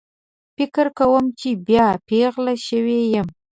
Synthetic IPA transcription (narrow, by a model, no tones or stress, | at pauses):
pikʰɨrkʰɐwɐmt͡ʃʰiːbjaːpʰeːʁlɐʃɐɥeːjɪm